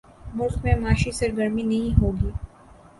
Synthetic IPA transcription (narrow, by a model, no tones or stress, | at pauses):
mʊlkmẽmaːʃisɐɾɡəɾminɐɦĩɦoːɡiː